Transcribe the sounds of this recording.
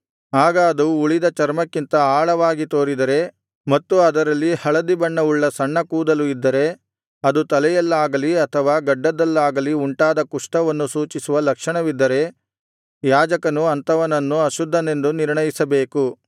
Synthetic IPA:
aːɡɐːd̪uːɭid̪ɐt͡ʃɐɾmɐkːint̪ɐaːɭɐʋaːɡit̪o̞ːɾid̪ɐɾe̞ | mɐt̪ːuɐd̪ɐɾɐlːihɐɭɐd̪ibɐɳːɐuɭːɐsɐɳːɐkuːd̪ɐluid̪ːɐɾe̞ | ɐd̪ut̪ɐlɛjɐlːaːɡɐliɐt̪ʰɐʋaːɡɐɖːɐd̪ɐlːaːɡɐliuɳʈaːd̪ɐkuʂʈɐʋɐnːusuːt͡ʃisuʋɐlɐkʂɐɳɐʋid̪ːɐɾe̞ | jaːd͡ʒɐkɐnuɐnt̪ɐʋɐnɐnːuɐʃud̪ʱːɐne̞nd̪uniɾɳɐjisɐbe̞ːku

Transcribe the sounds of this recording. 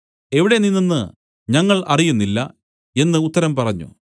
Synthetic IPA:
e̞ʋiɽe̞ninːɐnːɨ | ɲɐŋːɐɭʔɐrijunːilːɐ̰ | e̞nːɨut̪ːɐɾɐmpɐrɐɲːṵ

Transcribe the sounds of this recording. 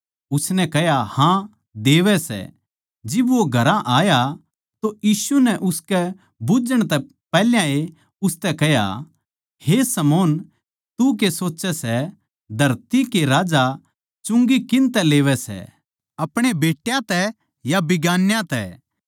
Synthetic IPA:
ʊsnɛkɛɦjahã | d̪eːʋɛsɛ̰ | d͡ʒɪbʋoɡʱɐɾãʔaːja | t̪ojiːsunɛʔʊskɛ | bʊd͡ʒəɽ̃t̪ɛ | pɛːljãe | ʊst̪ɛkɛɦja̰ | hesɐmoːn | t̪uk̬esoːt͡ʃɛsɛ | d̪ʱɐɾt̪ikeɾaːd͡ʒa | t͡ʃʊ̃ŋɡikɪ̃nt̪ɛleːʋɛsɛ̰ | ɐpɽ̃ebeːʈjãt̪ɛ | jabɪɡaːnjãt̪ɛ̰

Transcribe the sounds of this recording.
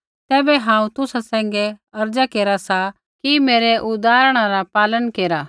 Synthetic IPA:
t̪ɛːbɛɦãːũt̪ʊsasɛ̃ːŋ̆ɡɛɐɾd͡ʒakeːɾasa | kimeːɾɛʔʊd̪aːɾɽ̃aɾapaːlənkeːɾaː

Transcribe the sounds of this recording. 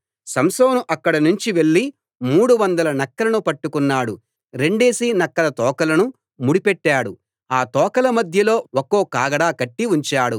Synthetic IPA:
sɐmsoːnuʔɐkːɐɽɐnuɲt͡ʃiʋe̞ɭːi | muːɽuʋɐnd̪ɐlɐnɐkːɐlɐnupɐʈːukunːaːɽu | ɾe̞ɳɖe̞ːsiːnɐkːɐlɐt̪ɔːkɐlɐnu | muɽipeʈːaːɽu | aːt̪ɔːkɐlɐmɐd̪ʱjɐlo̞ːokoːkaːɡɐɽaːkɐʈːiuɲt͡ʃaːɽu

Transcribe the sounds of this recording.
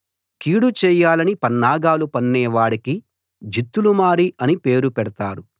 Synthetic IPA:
kiːɽut͡ʃɛːjaːlɐnipɐnːaːɡaːlupɐnːɛːʋaːɽiki | d͡ʒit̪ːulumaːɾiʔɐnipeːɾupɛɽɐt̪aːɾu

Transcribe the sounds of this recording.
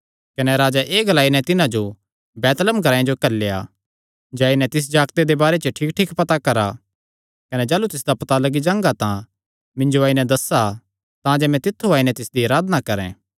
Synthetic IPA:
kɐnɛɾaːd͡ʒaʔeːɡɐlaːinɛ̃t̪ɪnãd͡ʒo | bɛːt̪ləmɡʱɐɾaːãd͡ʒokɐɾlːeːa̰ | d͡ʒaaːinɛ̃t̪ɪs̬d͡ʒaːkt̪ed̪ebaːɾet͡ʃəʈʰiːkʈʰiːkpɐt̪akɐɾa̰ | kɐnɛd͡ʒaːlut̪ɪs̬d̪apɐt̪alɐɡid͡ʒãːŋɡat̪ã | mɪ̃nd͡ʒoaːinɛ̃d̪ɐsa | t̪ãd͡ʒɛmɛ̃t̪ɪt̪ʰːuaːinɛ̃t̪ɪsd̪iaːɾaːd̪nakɐɾɛ̰̃ː

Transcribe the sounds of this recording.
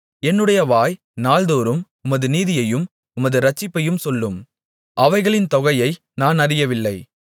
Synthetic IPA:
ɛnːɯɽɐjɐʋaːj | naːld̪oːɾɯm | ʊmɐðɯniːðɪjɐjɯm | ʊmɐðɯɾɐt͡ʃːɪpːɐjɯmsɔlːɯm | ʔɐʋɐɪɣɐɭɪnt̪ɔɣɐjɐɪ | naːnɐɾɪjɐʋɪlːɐɪ

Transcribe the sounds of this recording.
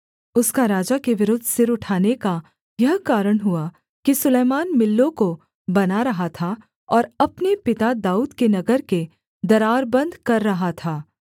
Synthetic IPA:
ʊskaɾaːd͡ʒakeʋɪɾʊd̪ʱsɪɾʊʈʰaːneka | jɐɦkaːɾəɽ̃ɦʊa | kisʊleːmaːnmɪlːõko | bɐnaɾɐɦat̪ʰa | ɔːɾɐpnepɪt̪ad̪aːuːd̪kenɐɡəɾke | d̪ɐɾaːɾbɐ̃nd̪kɐɾːɐɦat̪ʰaː

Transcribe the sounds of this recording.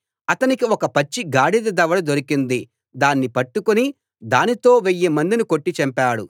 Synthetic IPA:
ɐt̪ɐnikiɔkɐpɐt͡ʃːiɡaːɽid̪ɐd̪ɐʋɐɽud̪o̞ɾikind̪i | d̪aːnːipɐʈːukuni | d̪aːnit̪o̞ːʋejːemɐnd̪iniko̞ʈːit͡ʃɐmpaːɽu

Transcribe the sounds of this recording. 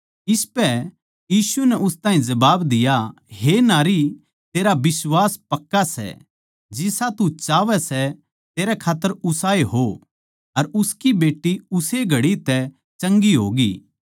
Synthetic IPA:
ɪspɛ | jiːsunɛʔʊst̪ãːɦĩd͡ʒɐbaːbd̪ɪjaɦenaːɾi | t̪eːɾabɪswaːspɐkːasɛ̰ | d͡ʒɪsat̪ut͡ʃaːʋɛsɛ | t̪eːɾɛkʰaːt̪ːəɾʊsaːeɦo | ɐɾʊskibeːʈːiʊseɡʱɐɽit̪ɛ | t͡ʃɐ̃ŋɡiɦo̰ːɡiː

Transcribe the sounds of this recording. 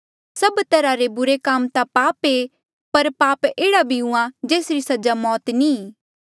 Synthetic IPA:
sɐbt̪ɐɾaɾebʊɾekaːmt̪apaːpe | pɐɾpaːpeːɽabʱiũãd͡ʒeːsɾisɐd͡ʒamɔːt̪niː

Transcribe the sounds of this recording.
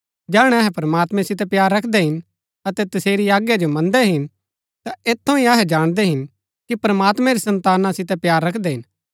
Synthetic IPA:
d͡ʒɛːɽ̃ɛ̃ɐɦɛpɐɾɐmaːt̪mɛ̃sɪt̪̬ɛpjaːɾːɐkʰd̪ɛɦɪn | ɐt̪ɛt̪ɐseːɾiaːɡjad͡ʒomɐ̃nd̪ɛɦɪn | t̪aeːt̪ʰːõĩɐɦɛd͡ʒaːɽ̃d̪ɛɦɪn | kipɾɐmaːt̪mɛ̃ɾisɐ̃nt̪aːnãsɪt̪ɛpjaːɾːɐkʰd̪ɛɦɪn

